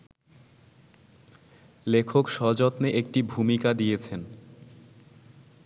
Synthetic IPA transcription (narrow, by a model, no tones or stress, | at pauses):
lekʰokʃɔd͡ʑɔt̪neʔek̚ʈibʱumikad̪ijet͡ɕʰen